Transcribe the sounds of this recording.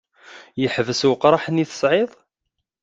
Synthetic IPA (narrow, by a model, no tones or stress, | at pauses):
jəħvəswəqɾˤɑħniθə̥sʕɪðˤ